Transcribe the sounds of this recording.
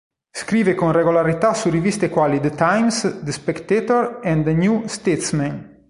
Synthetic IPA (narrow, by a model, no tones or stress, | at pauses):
skɾiːvekõnreɡolaɾit̪asurivist̪ekwalid̪ət̪ajmsd̪əspɛkt̪et̪oɾɛ̃nd̪ənjust̪et̪smɛ̃n